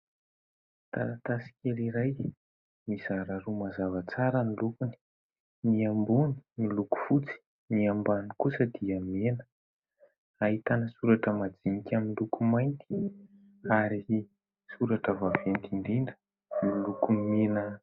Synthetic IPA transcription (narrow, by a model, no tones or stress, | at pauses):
t̪a̰nat̪asi̥kʲeliɾaj | mizaɾaɾumazavət͡saɾənilukuni̥ | miambuni̥miluku̥fut͡si̥ | miambanikusəd̪iamenə̥ | aɦit̪anəsuɾaʈ͡ʂəmad͡zinikʲaminlukumajnt̪i̥ | aɾi | suɾaʈ͡ʂəvavent̪ind̪inɖ͡ʐə̥ | milukumenə